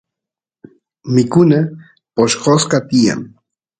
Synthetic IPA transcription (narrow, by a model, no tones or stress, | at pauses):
mɪkʊna | poʃqoskat̪ɪja̰ŋ